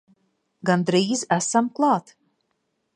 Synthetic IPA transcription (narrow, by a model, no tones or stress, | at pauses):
ɡand̪ɾiːzæsamklˠɑːt̪